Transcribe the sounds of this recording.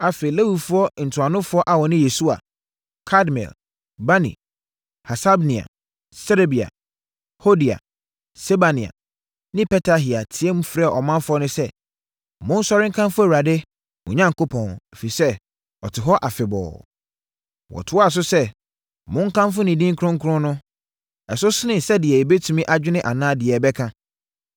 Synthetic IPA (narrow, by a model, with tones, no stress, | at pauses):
a˨fe˨i˨le˦wi˨fʊ˦ɔ˦n̩˨tʰʊ˨a˨nʊ̃˦fʊ˦ɔ˦ʔa˨wɔ˨nɪ̃˦je˨su˦a̰˨ | kʰa˦dmɛ̰˨l | ba˦nḭ̃˨ | ha˨sa˦bnĩ˨a̰˨ | sɛ˦ɾe˦bi˨a̰˨ | ho˦di˨a̰˨ | sɛ˦ba˨nĩ˨a̰˨ | nɪ̃˦pɛ˦tʰa˨ɦi˨a˨tʰɪ˨˦ɛ̃˦mu˦fɾɛ˦˨ʔɔ˨mã˦nfʊ˦ɔ˦nʊ̃˦sɛ˦ | mʊ̃˦n̩˦sɔ˦ɾɪ̃˦ŋ̩˦kʰã˦mfʊ˦æ˨wɾa˨dɪ˦ | mʊ̃˨ɲã˦ŋ˨ko˦pʰɔ̃˨ne˨fe˨i˨sɛ˦ | ɔ˨tʰɪ˨ɦɔ˦ʔa˨fɪ˨bɔ̰ː˨ | wɔ̰˨tʰʊ˨˦ɔ˦a˨s̬ʊ˦sɛ˦ | mʊ̃˦ŋ̩˦kʰã˦mf̬ʊ˦nɪ̃˨dĩ˦ŋ˦kʰɾʊ̃˦ŋ̩˦kʰʊ˦ʊ̃˦nʊ̃˦ | ɛ˨s̬ʊ˦sɪ˦nɪ̃˨sɛ˦dɪ˨ɛ˨e˨be˦tʰũ˨mĩ˦ʔa˨d͡ʑᶣɪ˦nɪ̃˦ʔa˨nãː˦dɪ˨ɛ˨bɛ˦kʰã˦